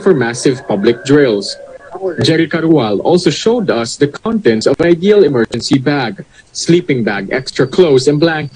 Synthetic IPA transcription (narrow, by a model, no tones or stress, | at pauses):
fɔɹmæsɪvpʌblɪk̚d̪ɹɪls | d͡ʒɛɾɪkaɾwalɔ̰lsoʃoʊd̪ʌsd̪ɐkʰɔ̃nt̪ɛ̃nt̪sɔvajd̪ialɛmɛɹd͡ʒɛ̃nsibæɡ | sliːpɪ̃ŋbæɡʔɛ̰kst̪ɹɐkʰloʊsɛ̃nblæ̃ŋk